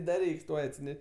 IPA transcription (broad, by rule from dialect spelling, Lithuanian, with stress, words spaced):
dɐ ˈrʲɛɪks ˈtuɔj ɐtʲsʲɪˈnʲɛʃʲ